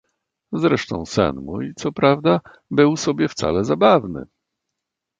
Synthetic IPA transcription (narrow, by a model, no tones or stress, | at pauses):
zɾɛʂt̪ɔ̰̃w̃sɛ̰nmujt̪sɔpɾavd̪a | bɘwsɔbʲjɛft̪sa̰lɛzabavnɘ̰